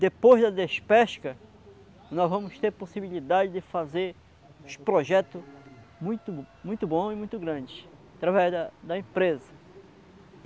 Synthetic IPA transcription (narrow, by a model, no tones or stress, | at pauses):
d̪epojzd̪ɐd̪espɛʃkɐ | nɔzvɐ̃mʊst̪eɾposibilid̪ad͡ʒɪd̪ɪfazeɾ | upɾoʒɛt̪ʊmũj̃t̪ʊmũj̃t̪ʊbõimũj̃t̪ʊɡɾɐ̃d͡ʒɪ | at̪ɾavɛzd̪ɐd̪ɐẽpɾezɐ